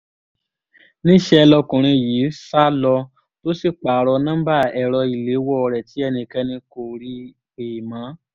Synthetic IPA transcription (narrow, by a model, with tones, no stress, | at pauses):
nĩ˦ʃɛ˧lɔ˧kũ˨ɾ̃ĩ˧jiː˨˦sa˦lɔ˧ | to˦si˦˨k͡pa˨ɾɔ˧nã˦ba˦˨ɛ˨ɾɔ˧i˨le˨˦wɔ˦˨˧ɾɛ˨ti˨˦ɛ˦˧nĩ˧kɛ˧nĩ˧ko˨ɾi˦ | e˨mã˨˦